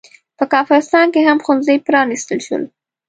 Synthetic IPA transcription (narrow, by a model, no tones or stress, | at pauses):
pəkɑfɣɪst̪ɑnkeɦamxʊnzəjpɾɑnist̪əlʃə̰l